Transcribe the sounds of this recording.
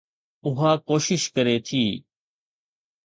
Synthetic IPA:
ʊɦaːkoːʃɪʃkəɾet̪ʰiː

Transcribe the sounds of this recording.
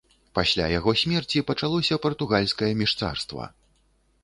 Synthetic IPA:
pasʲlʲa̰jaɣɔsʲmʲɛrt͡sʲipɐt͡ʂalˠɔsʲɐpɐrt̪uɣalʲskɐjɐmʲiʂt̪sa̰rst̪vɐ̰

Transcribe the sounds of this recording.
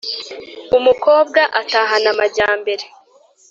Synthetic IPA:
umuko̞ːb̚ɡaʔataːɦanamaɾɟaːmbe̞ɾe

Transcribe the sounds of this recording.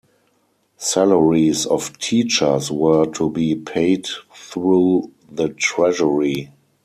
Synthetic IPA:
sæləɹisɔftʰiːt͡ʃə˞swɜ˞tʰubiːpʰeɪdθɹuː | ðətɹɛʒəɹi

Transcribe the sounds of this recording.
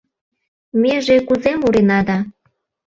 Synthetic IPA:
mʲeʒekuzemuɾenɑd̪ɑ

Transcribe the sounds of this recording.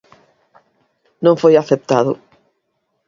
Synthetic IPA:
nõŋfojaθep̚t̪aðʊ̰

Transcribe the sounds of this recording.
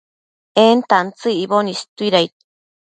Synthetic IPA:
ent̪ant͡sɨiβonist̪uiɾajt̪̚

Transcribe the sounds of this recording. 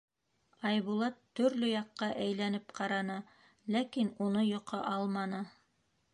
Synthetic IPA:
ɑjβulˠɑt̪ːɵ̆ɾlɵjɑqːɑʔæjlænɘpqɑɾɑnɤ | lækinunɤjŏqʰɑʔɑlˠmɑnɤ

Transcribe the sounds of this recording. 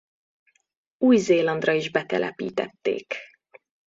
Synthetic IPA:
uːjzeːlɒnd̪rɒiʒbɛt̪ɛlʔɛpḭːt̪ɛt̪ːḛːk

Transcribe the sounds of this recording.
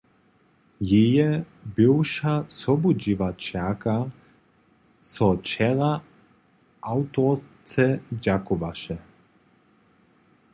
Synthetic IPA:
jejɛ | bɪwʃasɔbud͡ʒivat͡ʃaka | sɔt͡ʃɛʁa | ʔawt̪ɔ | t͡sɛd͡ʑakuvaʃɛ

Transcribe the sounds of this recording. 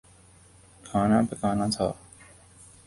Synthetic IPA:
kʰaːnaːpakaːnat̪ʰa̰ː

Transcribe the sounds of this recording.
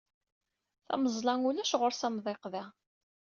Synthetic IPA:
θæ̰məzˤlɑŋulæʃʁʊɾsæmðˤeqðæ

